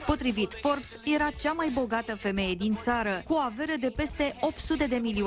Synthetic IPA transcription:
po̞t̪ɾivit̪fo̞rpsje̞ɾat͡ʃamajbo̞ɡat̪əfe̞me̞je̞d̪int̪saɾəkuoave̞ɾəd̪e̞pe̞st̪e̞ʔo̞pt̪sut̪e̞d̪e̞milio

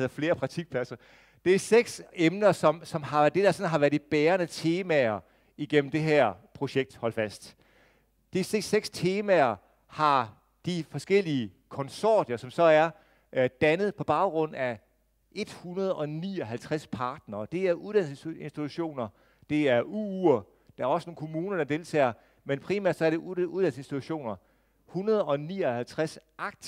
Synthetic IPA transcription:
ð̰ˠɐfle̝ːɐpʰʁɑ̥̈t͡sʰiɡ̥̚pʰlæsɐ | d̥e̝æɐseɡ̥semnɐsɒ̽msɒ̽mhɑ̈d̥e̝dɐsɒ̽nɦɑ̈ʋæɐ̥ib̥eːɐnət͡sʰe̝ːmæɐ | iɡ̥em̰m̩d̥e̝ɦæɐ̰pʰʁo̝ɕeɡ̥̚d̥hɒ̽l̰fæsd̥ | d̥e̝se̥seɡ̥st͡sʰe̝ːmæɐ | hɑ̈ | d̥ifɒ̽sɡ̥el̰iəkʰɒ̽nsɒ̰ːd̥jɐsɒ̽msɒ̽æɐ | d̥ænəð̞̩ˠpʰɒ̽b̥ɑ̈ʊɡ̥ʁɔ̽n̰æ | ʔe̝d̥hunɐð̞ˠɒ̽nḭːɒɦælt͡sʰʁaspʰɑ̈ːd̥nɐːd̥e̝æɐʔuðˠd̥æn̰se̝nsd̥it͡sʰuɕo̝̰ːnɐ | d̥e̝æɐuuɐ | d̥ɑæɐɒ̽səno̝ːn̩kʰo̝muːnɐd̥ɑ̈d̥e̝ːlt͡sʰɛ̰ːɐ | menpʰʁiːmæ̰ɐ̰d̥sɒɐɾ̥e̝uðˠd̥æn̰sensd̥it͡sʰuɕo̝̰ːnɐ | hunɐð̞ˠɒ̽niːɒ̽hælt͡sʰʁasʔɑ̈ɡ̥̚ʰ

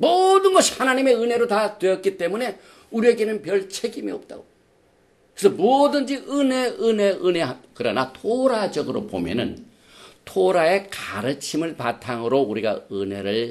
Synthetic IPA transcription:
modɯnɡʌɕʰihanaɲime̞ɯne̞ɾotatwe̞ʌt̚k͈it͈e̞mune̞ | uɾie̞ɡenɯnpjʌɭt͡ɕʰeɡimiʌp̚t͈a̰ɡo | kkɯɾesʰʌmodɯnd͡ʑiɯne̞ɯne̞ʔɯneɦakɯɾʌnatʰoɾad͡ʑʌɡɯɾo̰po̰mjʌ̰nɯ̰n | tʰoɾae̞kaɾɯt͡ɕʰimɯɭpatʰaŋɯɾouɾiɡa̰ɯne̞̰ɾɯɭ

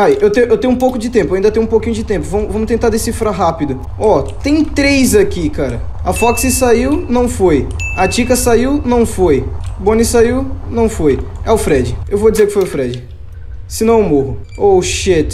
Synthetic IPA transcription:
ajʔewt̪ẽjʊʔewt̪ẽj̃ũpowkʊd͡ʒɪt̪ẽmpʊaĩd̪ɐt̪ẽj̃ũpokĩɲʊd͡ʒɪt̪ẽmpʊvɐ̃mʊvɐ̃mʊt̪ẽnt̪aɾd̪esifɾaɦapid̪ʊ | ɔt̪ẽj̃t̪ɾejzakikaɾɐɐfɔksɪsaiwnɐ̃w̃foj | at͡ʃikɐsaiwnɐ̃w̃fojbõnisaiwnɐ̃w̃fojɛʊfɾɛd͡ʒɪewvod͡ʒɪzeɾkɪ̥fojʊfɾɛd͡ʒɪ | sɪnɐ̃w̃ewmoɦʊ | oʃet̪

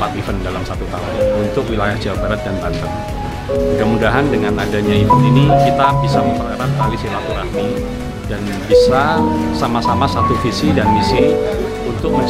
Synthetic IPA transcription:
pat̪ifəndalamsat̪ut̪a̰ʊ̰nnunt̪ʊk̚wilajahd͡ʒawabaɾat̪̚danbant̪əŋ | mudamudaɦandəŋanadaɲaifəninikit̪abisaməmpərkəɾap̚kalisilat̪uɾahni | dan | bisasamasamasat̪ufisidanmisi | unt̪ʊk̚məɲ

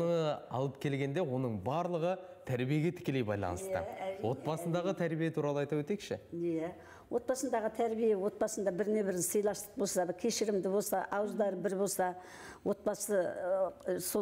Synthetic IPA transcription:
nəɑ̰lˠəpkʲʰe̞lɡʲe̞nd̪e̞wo̞nəɴbɑɾlˠəʁə | t̪ʰæɾbije̞ɡʲe̞t̪ʰɪ̥kʲe̞lejbɑ̰jlˠɑ̰nəst̪ə̰wo̞t̪̚bɑsənd̪ɑʁət̪ʰæɾbijet̪ʰuɾɑlˠəɑjt̪ɑpwet̪ekʃɪ̰jæ | wʔo̞t̪bɑsənd̪ɑʁət̪ʰæɾbijewo̞t̪̚bɑsənd̪ɑbɪɾne̞βɪɾnsəjlˠɑst̪ə̥q̚bo̞lsɑd̪kʲʰe̞ʃɪɾɪmd̪ɪbo̞lˠsɑʔɑwəzd̪ɑɾəbɪɾbo̞lˠsɑ | wo̞t̪̚bɑsə | so

